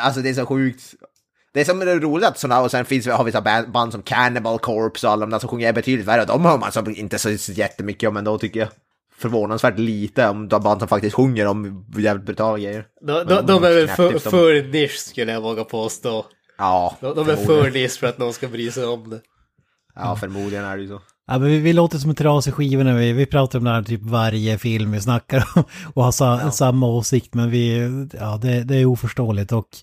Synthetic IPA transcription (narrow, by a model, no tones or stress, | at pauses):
als̬ɔd̪ɛːʂ̬ɔɧʉ̟ːk̚t̪ | d̪̥ɛæʂɔmɛɾuːlɪat̪sɔnːaɔsɛnfɪnsvɪhaɾvɪsːabɛband̪sɔmkʰænɪbalkʰɔɾpsɔalːɔmd̪asɔmɧɵŋːəɾɛbɛt̪ʰyd̪lɪt̪væɾːəɔd̪ɔmhɑːma̰nsɔmɪ̰nt̪əsɔsjɛt̪ːəmʏkːəɔmɛnd̪ɔt̪ʰʏkːəja | fœɾvoːnansvæːʈliːt̪əɔmd̪aband̪sɔmfak̚t̪ɪst̪ɧɵŋːəɾɔmjæːvɪt̪bɾʉt̪ʰɑːlaɡɾɛjːəɾ | d̪ɔɔd̪ɔmæɾɛffœɾnɪʂkʉlːəjavoːɡapʰoːst̪oː | ɑːd̪ɔd̪ɔmæɾfœnɪʂfœɾat̪̚nɔnskabɾyːsɛɔmd̪ɛ | ɑːfœɾmuːd̪lɪɡənæ̰ɖɛjso | ʔamɛnvɪvɪloːt̪əʂ̬sɔmɛnt̪ʰːɾɑːsɪɧiːvənævɪvɪpʰɾɑːt̪aɾɔmd̪ɛɦæːt̪ʰyːpvaɾjəfɪlmvɪsnakːaɾɔmɔhasasamːaoːsɪk̚t̪mɛnvɪɑːd̪ɛd̪ɛæuːfœʂʈoːlɪt̪ɔkː